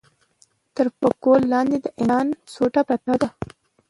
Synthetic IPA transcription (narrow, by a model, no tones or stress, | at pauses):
t̪əɾpəkolːɑnd̪ed̪əʔɪɑnsoʈapɾat̪ɑd̪a